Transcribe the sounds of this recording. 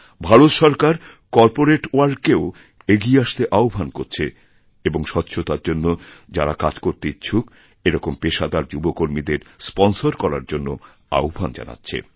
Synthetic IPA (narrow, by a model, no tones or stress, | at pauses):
bʱaɾot̪ʃɔɾkaɾ | kɔɾpoɾeʈoaɾɖkeo | eɡieaʃt̪eʔaobʱankoɾt͡ɕʰe | eboŋʃɔt̪ːɕʰot̪aɾd͡ʑonːod͡ʑaɾaka̰d͡ʑkoɾt̪it͡ɕʰuk | eɾɔkompeʃad̪aɾd͡ʑubokoɾmid̪eɾspɔnsoɾkɔɾaɾd͡ʑonːo | a̰obʱand͡ʑa̰na̰tːɕʰḛ